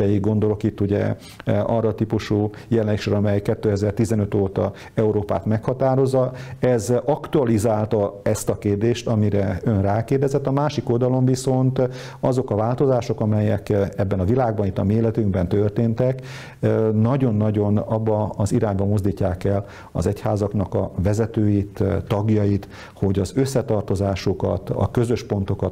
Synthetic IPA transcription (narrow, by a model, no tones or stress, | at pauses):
ɛjiɡɡo̞nd̪o̞lo̞kit̪ːuɟɛ̰ | ɒrːɒːt̪ipuʃu | jɛlɛnekʃɾɛɒmɛjkːɛt̪ːøːɛzɛrt̪izɛnø̞t̪oːt̪ɒ̰ | ɛuɾoːpa̰ːt̪mɛkhɒt̪aːɾo̞zːɒɛzɒkt̪uɒlizaːlt̪ɒɛst̪ɒkeːrd̪eːʃt̪ɒmiɾɛønraːkeːrd̪ɛzɛt̪ːɒmaːʃiko̞ld̪ɒlo̞ɱviso̞nt̪ | ɒzo̞kɒvaːlt̪o̞zaːʃo̞kɒmɛjɛkɛbːɛnɒvilaːɡ̚bɒnit̪ːɒmieːlɛt̪yŋɡbɛnt̪ørt̪eːnt̪ɛk | nɒɟo̞nːɒɟo̞nɒbːɒɒziɾaːɲbɒmozd̪iːcːaːkɛl | ɒ̰zɛchaːzɒknɒkɒ̰vɛzɛt̪øːjit̪t̪ːɒɡjɒjit̪ | ho̞ɟɒzø̞sːɛt̪ɒrt̪o̞zaːʃokɒ̰t̪ɒ̰kø̞zø̞ʃpo̞nt̪o̞kɒt̪